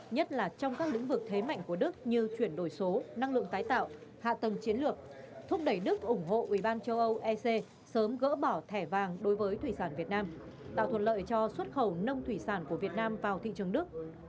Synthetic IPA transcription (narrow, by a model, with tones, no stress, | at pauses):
ɲə˦˥t̚laː˨˩t͡ɕɔ˧wŋ͡mkaː˦˥k̚l̰ŋ̟vɨ˨˩k̚t̪ʰe˨˦ma̰˧˨jŋ̟ku˧˩əɗɨ˦˥k̚ɲɨ˧t͡ɕwi˧˩ənɗo˧˩jso˨˦na˧ŋlɨ̰˧˨əŋt̪aː˨˦jt̪a̰ː˧˨wha̰ː˧˨t̪ə˨˩mt͡ɕi˨˦ənlɨ˨˩ək̚t̪ʰʊ˦˥p̚ɗə˧˩jɗɨ˦˥k̚ʔʊ˧˩ŋ͡mɦo̰˧˨ʔwi˧˩ɓaː˧nt͡ɕə˧wʔə˧wʔɛ˧se˧ | səː˨˦mɣə̰ː˧˥ɓɔ˧˩t̪ʰɛ˧˩vaː˨˩ŋɗo˨˦jvəː˨˦jt̪ʰwi˧˩saː˧˩nvi˨˩ət̚naː˧m | t̪a̰ː˧˨wt̪ʰə̰˧˨n̚lə̰ː˧˨jt͡ɕɔ˧swə˦˥t̚xə˧˩wnə˧wŋ͡mt̪ʰwi˧˩saː˧˩nku˧˩əvi˨˩ət̚naː˧mvaː˨˩wt̪ʰḭ˧˨t͡ɕɨ˨˩əŋɗɨ˦˥ək̚